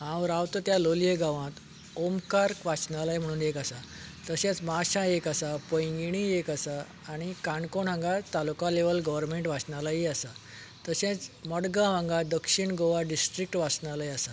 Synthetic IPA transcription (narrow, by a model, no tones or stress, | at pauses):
ɦãʋɾawt̪ət̪jaloljeɡãʋãt̪ | omkaɾkʋat͡sɳalajm̤əɽ̃uːnekasat̪əɕẽt͡smaɕãekasapə̃jɡiɽ̃iekasaː | ɽ̃ikaɳkoɳɦãŋɡat̪alukaleʋəlɡəʋəɾmeɳʈʋat͡sɳalaiasa | t̪əɕẽt͡sməɽɡãɦãŋɡad̪əkʂiɳɡoʋaɖisʈɾik̚ʈʋat͡sɳalajasa